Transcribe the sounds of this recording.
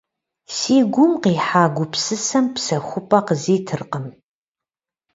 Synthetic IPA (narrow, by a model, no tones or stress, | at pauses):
siːɡʷʊmqiːħaːɡʷʊpsɨsɐmpsɐxʷʊpʼɐqəziːtʰɨrqəm